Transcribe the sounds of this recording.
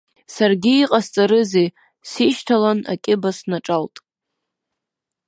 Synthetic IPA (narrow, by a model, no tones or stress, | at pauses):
sarɡʲɪːqʼast͡sʼaɾɨzej | siʃtʰalana̰kʲʼɪbasnaʈ͡ʂʼaltʼ